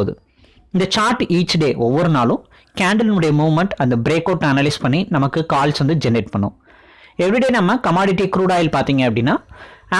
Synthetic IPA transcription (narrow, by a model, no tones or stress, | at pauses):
ðɯ̰ | ɪnd̪ɐt͡ʃaːɾʈiːt͡ʃːɖeːʔɔʋːɔɾɯnaːlʊ̃ | kaːɳɖɐlnʊɽɐjɐmuːʋmɐɳʈɐnd̪ɐbɪɾeːkːɐːʈːɐnɐlɐɪspɐɳːinɐmɐkːɯkaːlsʋɐnd̪ɯd͡ʒɛneːʈpɐɳːʊ̰̃ | ɛʋɾɪɽeːnɐmːɐkɐmaːɽɪʈːikɾuːɽaːjɪlpaːɾt̪iːŋɡɐɐpːɐɽɪnːaː